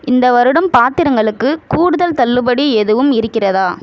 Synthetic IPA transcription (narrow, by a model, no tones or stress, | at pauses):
ɪnd̪ɐʋɐɾɯɽɐmpaːɾt̪ɪɾɐŋɡɐɭɯkːɯkuːɽɯðɐlt̪ɐlːɯbɐɽiɛðɯʋɯmɪɾɯkːɪrɐðaː